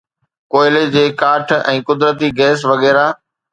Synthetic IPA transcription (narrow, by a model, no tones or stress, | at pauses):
koːɪled͡ʑeːkaːʈʰɛ̃ːkʊd̪ɾət̪iɡɛːsʋɐɣɛːɾaː